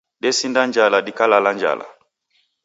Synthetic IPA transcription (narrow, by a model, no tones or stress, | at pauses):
dɛsindand͡ʒaladikalaland͡ʒa̰la̰